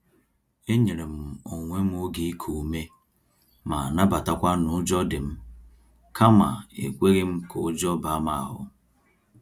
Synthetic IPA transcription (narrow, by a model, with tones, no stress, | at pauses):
e˦ɲe˨ɾe˨m̩˨o˨ŋʷe˦m̩˦o˦ɡi˨˦kʰu˨me˦ | ma̰˨na˦ba˨ta˨kʷa˦nʊ˨˦d͡ʒɔ˦dɪ˨m̩˦ | ka˦ma˨ḛ˨kʷe˦ɣɪ˦m̩˦ko˨˦d͡ʒɔ˦ba˨˦ma˨ɦʊ̰˦